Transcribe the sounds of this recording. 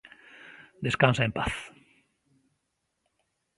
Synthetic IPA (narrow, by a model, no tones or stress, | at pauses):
d̪eskãnsaempaθ